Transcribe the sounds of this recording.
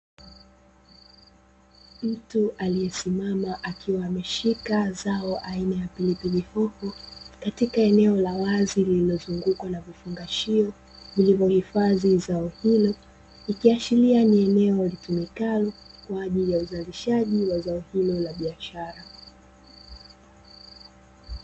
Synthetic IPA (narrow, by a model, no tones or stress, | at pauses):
m̩tuʔaliɛsimamaʔakʰiwaːmɛʃikazaɔʔainajapilipilihɔhɔkatikaɛnɛɔlawazilililɔzuŋɡukwanavifuŋɡaʃiɔ | vilivɔhifaðizaɔhilɔ | ikiaʃilianiɛnɛɔlitumikalɔkwaːʄilijauzaliʃaʄiwazaɔhilɔlaɓiaʃaɾa